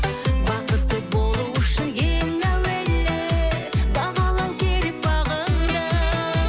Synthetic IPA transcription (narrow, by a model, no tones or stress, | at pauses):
bɑqət̪ːəbo̞lˠuwʊʃɪnjelmæwelːe | bɑʁɑlˠɑwkʲʰeɾɪp̚bɑʁənd̪ə